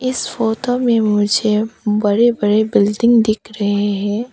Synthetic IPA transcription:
ɪsfoːtomẽmʊd͡ʒʱebɐɾebɐɾebɪlɖɪ̃ŋɡd̪ɪkʰɾɐɦeɦɛ̃ː

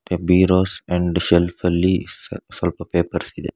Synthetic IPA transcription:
pebiːɾoːsɛ̃ɳɖʃɛlfəlisɔlpəpeːpəɾsid̪ḛ

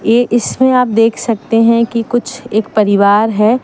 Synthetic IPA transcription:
jeːʔɪsmẽaːp̚d̪eːkʰsɐk̚t̪eɦɛ̃kikʊt͡ʃʰeːk̚pɐɾɪʋaːɾɦɛː

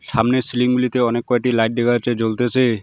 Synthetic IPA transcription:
samnesiliŋbulit̪eɔnekːɔjʈilajʈ̚d̪ekat͡ʃʰed͡ʒolt̪esʰe

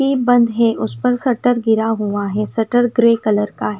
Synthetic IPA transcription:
ibɐ̃nd̪ɦɛʔʊspɐɾsɐʈəɾɡɪɾaɦuaɦɛsɐʈəɾɡɾeːkɐləɾkaɦ

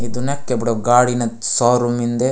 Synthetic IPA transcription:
id̪unɐkːebiɽoɡaːɽinɐsaːɾumind̪e

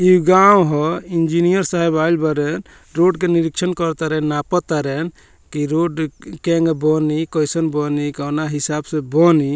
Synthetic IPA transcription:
iɡawɦɔind͡ʒinijəɾsaɦɛbajlbəɾɛn | ɾoɖkeniɾikt͡ʃʰənkɔɾt̪aɾɛnːapɔt̪aɾɛn | kiɾoɖkeŋɡbɔnikɔjsənbɔnikɔnaɦisabsẽbɔni

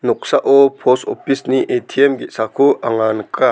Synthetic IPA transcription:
nuk̚saʔɔpʰɔsɔpisniʔet̪ʰiɛmɡisakʰuʔaŋanka

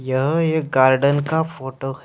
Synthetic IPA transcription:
jəɦeːɡaːɾɖənkafoːʈoh

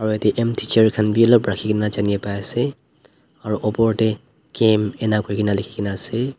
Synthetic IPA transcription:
aɹuatɛʔɛmtʰit͡ʃɛɹkʰanbiɔlɔpɹakʰikʰinazaniɛpajasɛ | aɹuʔɔpɔɹtɛ | kɛmɛnakʰojkʰinalikʰi̥kʰinaːsɛ

